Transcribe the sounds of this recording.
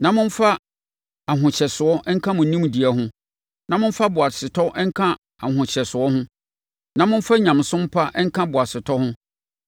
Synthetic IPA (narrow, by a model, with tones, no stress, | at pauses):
nã˨mʊ̃˦n̩˦fa˦ | a˨ɦʊ̃˨ɕɛ˨sʊ˨ɔ˦ʔŋ̩˦kʰã˦mʊ̃˨n̩˨nĩ˦m˨di˨æ˦ɦʊ̃˦ | nã˦mʊ̃˦n˦fa˦bʊ˨a˨sɪ˨tʰɔ˦ʔɛ˦ŋ̩˦kʰã˦ | a˨ɦʊ̃˨ɕɛ˨sʊ˨ɔ˦ɦʊ̃˦ | nã˨mʊ̃˦n˦fa˦ɲã˨m˨sʊ̃˦m̩˦pʰa˦ʔɛ˦ŋ̩˦kʰã˦bʊ˨a˨sɪ˨tʰɔ˦hʊ̃˦